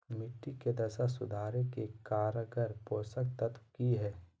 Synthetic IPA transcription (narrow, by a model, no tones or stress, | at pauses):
mɪʈːiked̪ɐsasʊd̪ʱaːɾekekaːɾəɡəɾpoːsək̚t̪ət̪kiɦɛː